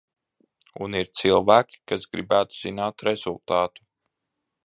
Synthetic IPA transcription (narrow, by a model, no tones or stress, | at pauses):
ṵniɾt̪silˠvæːkʲi̥kasɡɾibæːt̪u̥z̥inaːt̪ɾɛzulˠt̪aːt̪u̥